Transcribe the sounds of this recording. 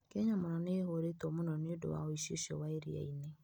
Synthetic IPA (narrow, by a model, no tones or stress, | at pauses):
keɲamʊɾɔneɦoɾetomʊnɔnedo̰wa̰woiʃḭʃo̰waiɾḭḛine